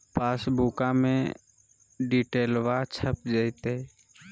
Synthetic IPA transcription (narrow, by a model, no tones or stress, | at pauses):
paːsbuːkamḛ̃ | ɖiːʈeːlʋat͡ʃʰəp̚d͡ʒəɪt̪e